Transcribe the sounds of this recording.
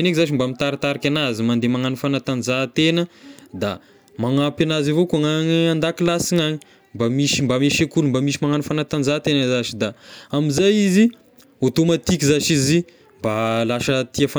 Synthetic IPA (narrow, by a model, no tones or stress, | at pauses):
enekzaʃimbamit̪aɾit̪aɾakʲanazimand̪emaŋanufanat̪anzat̪enəd̪a̰ | maŋapanazivokuaŋaɲiand̪akilasiɲaɲi̥ | mbamiʃimbameʃekulumbamiʃimaŋanufanat̪and͡zat̪enəzaʃid̪aamizajizi | ot̪omat̪ikizaʃizi | mbalaʃət̪iafa